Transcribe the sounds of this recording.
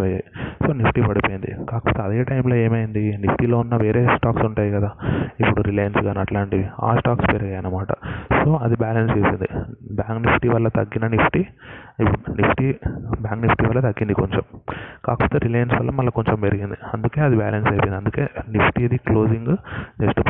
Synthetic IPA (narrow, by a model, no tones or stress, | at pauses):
ɐjajiso̞ːnipʈipɐɽipojind̪ḭkaːkɐpoːt̪eɐd̪e̞ːʈɐjmlo̞ːe̞ːmɐjind̪inipʰʈilo̞ːunːɐʋeːɾe̞ːsʈaːksuɳʈaːjikɐd̪aːipːuɽuɾilɐjɐnsɡaːnɐʈlaːɳʈiia̰ːsʈaːkspeːɾkaːjɐnɐmaːʈɐ̰so̞ːɐd̪ibaːlɐnst͡ʃe̞ːsind̪ibjaːŋknipʰʈiʋɐlːɐt̪ɐɡːinɐnipʰʈiipːuɽunipʰʈibjaːŋknipʰʈiʋɐlːɐt̪ɐɡːind̪ikoɲt͡ʃomkaːkɐpoːt̪eːɾilɐjɐnsʋɐlːɐmɐlːɐko̞ɲt͡ʃempeɾiɡind̪iɐnd̪uke̞ːɐd̪iba̰ːlɐnsɐjpojniɐnd̪uke̞ːnipʰʈiɐd̪iklo̞ːd͡ʒiŋɡneʂʈu